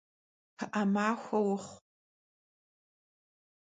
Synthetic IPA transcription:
pʰɨʔɐmaːxʷɐwʊχʷ

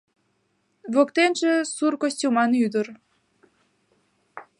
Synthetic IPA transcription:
βokt̪enʒĕsurkosʲtʲumɑnyd̪ər

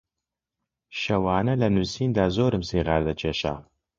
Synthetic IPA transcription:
ʃɐwaːnɐlɐnusiːnd̪aːzoːɾɨmsiːʁaːɾd̪ɐt͡ʃʰeːʃa̰ː

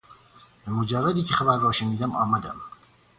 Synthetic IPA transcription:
bemod͡ʒærːæd̪iːcʲʰexæbæɾːɒːʃeniːd̪æmɒːmæd̪æm

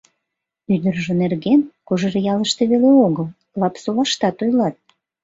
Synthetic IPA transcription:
yd̪ərʒə̆nerɣenkoʒerjɑləʃt̪eβeleoɣəl | lɑpsolɑʃt̪ɑt̪ojlɑt̪̚

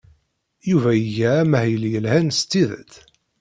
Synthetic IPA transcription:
juvæjəʝæːmæhjəljəlhænst̪ːiðə̰t̪

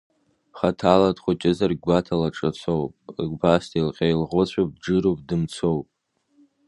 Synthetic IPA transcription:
χatʰaladχʷʊt͡ʃʲʼɪzarɡɡʷatʰalaʈ͡ʂʼat͡sʷʰowpʼɡʷbastʰejlqʲʼajlʁʷʊt͡ɕʷʰab̚d͡ʒɨɾopʼdɨmt͡sʰowpʼ

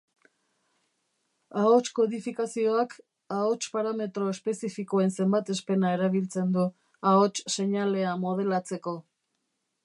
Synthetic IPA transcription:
aot͡ʃko̞ðifikasio̞ak | aot͡ʃpaɾame̞t̪ɾo̞espe̞sifiko̞e̞nse̞mbat̪e̞spe̞nae̞ɾaβ̞ilt͡se̞nd̪u | aot͡ʃse̞ɲale̞amo̞ð̞e̞lat͡se̞ko̞

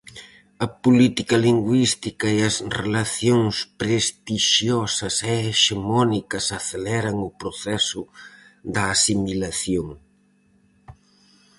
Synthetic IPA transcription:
ɐpulit̪ikɐliŋɡwist̪ikɐeɐsrelɐθjoŋspɾest̪iʃjɔsɐsɛːʃemɔnikɐsɐθelɛɾɐŋʊpɾoθɛsʊ | ðɐːsimilɐθjoŋ

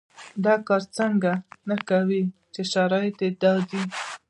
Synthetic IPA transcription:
d̪ɑkɑɾt͡səŋɡanakawi | t͡ʃeʃaɾɑjet̪ed̪ɑd̪i

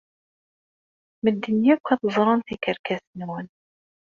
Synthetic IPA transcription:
məd̪ːənjækʷːɑθəzˤɾˤɑnθikəɾkæsnwən

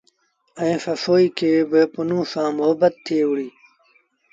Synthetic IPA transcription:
ə̃ẽːfɐsoːiːkʰeːbɪpʊnũːsãːmʊɦəbət̪t̪ʰːeːuɽiː

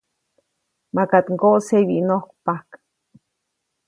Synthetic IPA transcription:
makat̪ŋkoʔseβinohkpahk

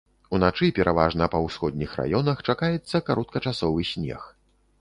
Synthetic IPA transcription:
un̪at͡ʂɨpʲɛɾʔavaʐnɐpɐwsxɔd̪̚ʲnʲixra̰jɔnɐxt͡ʂakajɛt̪sːɐkaɾɔt̪̚kɐt͡ʂasɔvɨsʲnʲɛ̰x

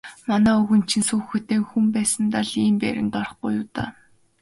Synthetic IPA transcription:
manæːɵɣɵ̆nt͡ɕʰĭnsuːxɵt̪eːkxumpæːsə̆nt̪aɮiːmpæ̰ɾʲɪ̰̆nt̪ɔrɞ̆χɢṵjʊːt̪a̰ː

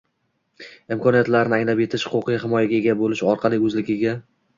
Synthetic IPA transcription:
ɪmkʰɒnijat̪laɾnɪaŋlape̞t̪ʰɪʃhʊ̥qʊqʰɨjɦɪmɒjaɡʲae̞ɡʲabolɪʃɒɾqʰɑlˠɪɵzlɪkʲʰɪɡʲa

